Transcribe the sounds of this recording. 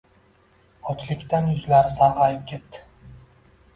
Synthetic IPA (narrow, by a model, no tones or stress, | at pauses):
ɒt͡ʃ̪ʰlɪkʲt̪ʰanjʊzlaɾɪsaɾʁɑjɪp̚kʲet̪ːɪ̥